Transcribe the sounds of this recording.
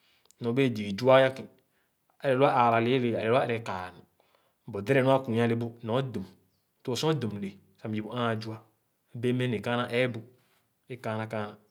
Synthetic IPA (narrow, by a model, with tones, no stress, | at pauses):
nɔ˨be˦e˨d͡ʒi˨i˨d͡ʒu˦a˦ja˦ki˨ | a˨ɛ˨lu˦a˦ʔa˨ɾa˨li˨˦le˨a˨lɛ˨la˦˨ɾɛ˨˦ka˨nu˨ | bo˨de˦ɾɛ˦nu˦a˦ku˨˦a˦le˦bo˦nɔ˨˦du˨m˦ | tu˦˨sɔ̃˦du˨m˨le˨ | sa˨m˨d͡ʒi˨bu˨a˦˨d͡ʒu˦a˦ | be˦me˦ne˨ka˦na˦ʔɛ˦bu˨ | e˦ka˦na˦ka˦na˨